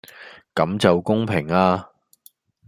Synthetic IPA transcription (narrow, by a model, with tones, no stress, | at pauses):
kɐ˨˥mt͡sɐ˨wkʊ˥ŋpʰɪ˨˩ŋaː˧